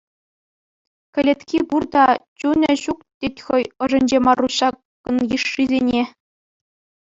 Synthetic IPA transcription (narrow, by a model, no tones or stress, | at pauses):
kʲɘ̆lʲet̪ʲkʲiburd̪ɑt͡ɕunʲɘ̆ɕuk̚tʲetʲxɤ̆jɤ̆ʐɤ̆nʲd͡ʑemɑrːuɕɑkːɤ̆njɯʂːizʲenʲe